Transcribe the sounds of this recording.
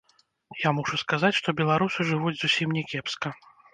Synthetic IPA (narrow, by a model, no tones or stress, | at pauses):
jamuʂuskazat͡sʲʂt̪ɔbʲɛlˠaɾusɨʐɨvud͡zʲzusʲimnʲɛkʲɛpskɐ